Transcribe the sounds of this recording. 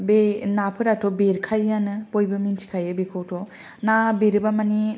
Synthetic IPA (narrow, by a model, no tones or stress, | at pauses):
benapʰɯɾatʰɔbeɾkʰajanɯbojbɯmintʰi̥kʰajɯbekʰowtʰɔ | nabeɾɯbamani